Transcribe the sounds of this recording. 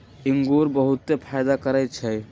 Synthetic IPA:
iŋɡoɾbəɦut̪ːepʰajd̪akəɾɛt̪̚t͡ʃʰɛ

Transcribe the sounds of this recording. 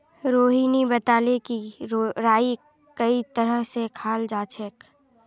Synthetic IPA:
ɾoːɦiːnibət̪aːlekiɾaːi | kəit̪əɾəɦsekʰaːld͡ʒaːt͡ʃʰek

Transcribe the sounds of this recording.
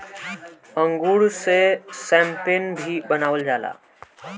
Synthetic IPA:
əŋɡuɽsesɛ̃mpenbʱibənaːʋəld͡ʒaːla̰ː

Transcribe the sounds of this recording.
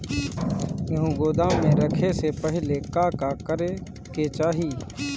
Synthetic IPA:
məɦũɡoːd̪ãːmẽɾəkʰesepəɦɪlekaːkakəɾe | ket͡ʃaːɦiː

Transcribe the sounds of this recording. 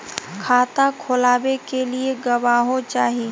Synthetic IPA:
kʰaːt̪akʰʊlaːbekelieɡɐʋaːɦot͡ʃaːɦieː

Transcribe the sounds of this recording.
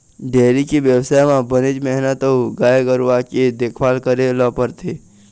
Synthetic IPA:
ɖeːɾikiʋjəwsaːjmãbəned͡ʒmɛɦnət̪ouɡaːeɡəɾʋaked̪ekʰʋaːlkəɾelɔpəɾt̪ʰe

